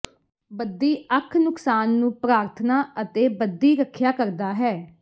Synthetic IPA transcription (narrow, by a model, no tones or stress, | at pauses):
bəd̪iːəkʰnʊksaːnːũːpɾaːɾt̪ʰnaːət̪eːbəd̪iːɾəkʰːjaːkəɾd̪aːɦɛː